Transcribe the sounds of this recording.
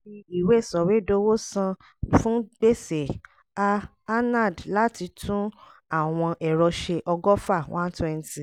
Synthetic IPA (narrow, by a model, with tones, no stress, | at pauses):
i˧i˨we˦˨sɔ˨we˨˦do˦wo˦sã˧ | fũ˦be˦˨se˨ | aː˧˦ | na˦˨dla˦ti˧tʰũ˦ | a˦˨w̃ɔ̃˧ʔɛ˨ɾɔ˧ʃe˧ʔɔ˧ɡɔ˦fa˦˨wʔã̰˦n̩˦twɛ˧n̩˨ti˨